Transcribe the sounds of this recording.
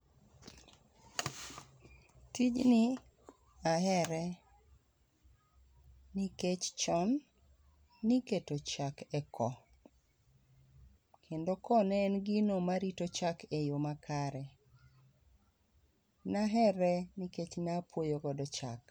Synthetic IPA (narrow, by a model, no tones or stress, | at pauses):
tid͡ʒnɪ | aɦɛɾɛ | niket͡ʃt͡ʃɔnː | iketot͡ʃakɛkʰɔ | kʰendokɔnɛnɡinomaɾitot͡ʃakejomakʰaɾɛ | naɦɛɾɛniket͡ʃnapwojoɡɔdɔt͡ʃa̰k